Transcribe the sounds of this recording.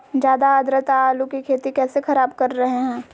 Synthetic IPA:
d͡ʒjaːd̪aəd̪ɾət̪aaːlukikʰeːt̪ikɛːsexɐɾaːbkɐɾːɐɦeɦɛ̃ː

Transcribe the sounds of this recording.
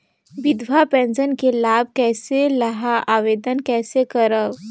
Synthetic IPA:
ʋid̪ʋapɛ̃nd͡ʒənkelab̚ʱkɛːseləɦaʔaʋed̪ənkɛːsekəɾəʋ

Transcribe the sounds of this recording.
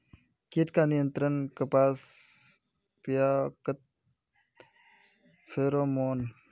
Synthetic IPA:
kiʈkaːnijənt̪ɾɐnkɐpaːs | pijaːkɐt̪̚ | feːɾoːmoːn

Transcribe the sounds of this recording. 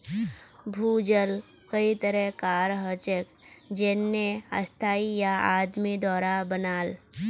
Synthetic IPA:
bʱuːd͡ʒəl | kəit̪əɾɛkaːɾɦət͡ʃək | d͡ʒenːeə̰st̪ʰaːijaaːd̪mid̪ɔːɾabənaːl

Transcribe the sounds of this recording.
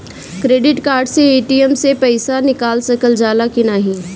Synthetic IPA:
kɾeːɖɪʈkaːɾɖseeːʈiəmsepɐɪsanɪkaːlsɐkəld͡ʒaːlakɪnaːɦĩː

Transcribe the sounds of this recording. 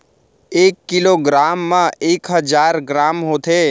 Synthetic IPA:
eːkːɪloɡɾaːmːãeːkɦəd͡ʒaːɾɡɾaːmɦoːt̪ʰe

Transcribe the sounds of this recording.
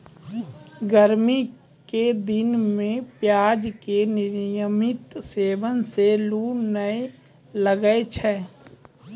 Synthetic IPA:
ɡəɾmi | ked̪ɪnmẽpjaːd͡ʒkenɪɾjəmɪt̪seːʋənseluːnəe | ləɡəet͡ʃʰɛː

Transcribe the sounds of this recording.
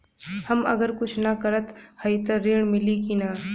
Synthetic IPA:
hɐmɐ̰ɡəɾkʊt͡ʃʰnɐkɐɾət̪hɐit̪əɾiːɽ̃mɪlikinaː

